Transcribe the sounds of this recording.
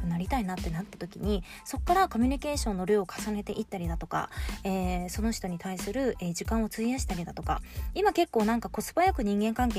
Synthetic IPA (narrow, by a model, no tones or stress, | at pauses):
ɯnaɾʲit̪ainat̪ːe̞nat̪ːḁt̪o̞kʲḭɲ̟i | so̞kːaɾako̞mʲyɲ̟ike̞ːɕõ̞nːo̞ɾioːkʰḁsane̞t̪e̞ʔit̪ːaɾʲid̪at̪o̞ka̰eːso̞no̞ç̥t̪o̞ɲ̟it̪aisɨɾɯ̟eːʑikãɰ̃o̞t͡sɨiaɕi̥t̪aɾʲid̪at̪o̞kaimake̞kːo̞ːnãŋkako̞t͡sɨ̥bajakɯ̟ɲ̟ĩŋɡẽ̞ŋkãŋke